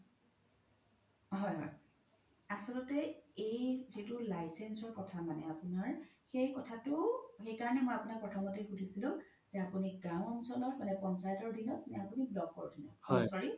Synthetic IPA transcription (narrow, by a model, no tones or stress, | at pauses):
ɦɔjɦɔ̰j | asɔlɔtɛejzitʊlajsensɔɹkɔtʰamanɛapunaɹ | xejkɔtʰatʊxejkaɹɔnɛmojapunapɹɔtʰɔmɔtiɡutʰisilʊ̃ | z̥ɛapuniɡãw̃ɔnsɔlɔtmanɛpɔnsajtɔɹdʱinɔt̚nɛapuniblɔkɔɹdʱinɔ̰thɔsɔɹi